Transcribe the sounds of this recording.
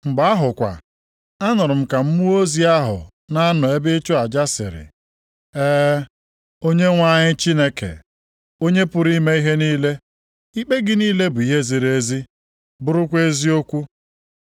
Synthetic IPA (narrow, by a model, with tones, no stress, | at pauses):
mŋ͡m̩˨ɡ͡ba˨a˦ɦʊ˨kʷa̰˨ | a˦nʊ˨ɾʊ˨m̩˦ka˨m̩˦mu˦o˦zi˦a˦ɦʊ̰˨ | na˦nɔ˨e˦bɪ˦t͡ʃʊ˦a˨d͡ʒa˦sɪ̰˨ɾɪ̰˨ | eː˦ | o˦ɲe˦ŋʷa˦ɲɪ˦t͡ʃi˦ne˦kḛ˨ | o˦ɲe˦pʊ˦ɾi˦me˦i˦ɦe˦niː˦le˦ | i˦k͡pe˦ɡɪ˦niː˦le˦bʊ˨i˦ɦe˦zi˨ɾe˦zi˦ | bʊ˦ɾʊ˦kʷe˦zi˦o˦kʷu˦